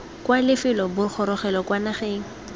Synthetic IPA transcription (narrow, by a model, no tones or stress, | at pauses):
kwalɪfɪlɔbʊk͡xʰɔɾɔχɛlɔkwanaχeːŋ̩